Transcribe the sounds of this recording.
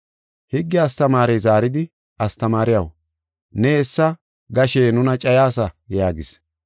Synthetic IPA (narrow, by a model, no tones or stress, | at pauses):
hɪɡːɪɐst̪ɐmaːɾejzaːɾɪd̪ɪ | ɐst̪ɐmaːɾɪjɐw | nɛɛsːɐ | ɡɐʃeːnʊnɐt͡ʃʼɐjaːsɐjaːɡɪs